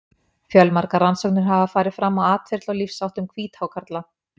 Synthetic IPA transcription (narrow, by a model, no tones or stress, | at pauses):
fjœlmaɾkaransɔwknʏɾ̥ɦavafaːɾɪð̥fɾamːawaːt̪fɪɾt̪lawlifsawht̪ʏmkʰviːt̪hawkʰaɾt̪la